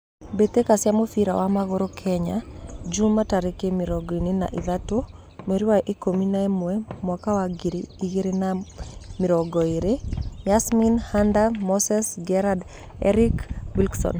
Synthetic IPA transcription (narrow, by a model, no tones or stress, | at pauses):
bet̪ekasjamofiɾa̰wamaɡɔɾokʰɛɲa̰d͡ʒumataɾekemɪɾɔɡɔinina̰ʔiðato | meɾiwaʔekominaɛmwɛmwakawaɡiɾiiɡeɾenamɪɾɔɡɔiɾemɪasminhandamɔsɛsɡɛɾad | ɛ̰ɾikwilɡsɔ̰n